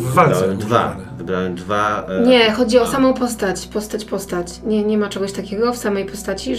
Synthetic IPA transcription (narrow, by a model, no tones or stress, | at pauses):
vaɾɾawɛmd̪va̰ | vɘbɾawɛmd̪vaɲɛxɔd͡ʑiɔsamɔ̃w̃pɔst̪at͡ɕpɔst̪at͡ɕpɔst̪at͡ɕ | ɲɛɲɛmat͡ʂɛɡɔɕt̪akʲɛɡɔfsamɛjpɔst̪at͡ɕi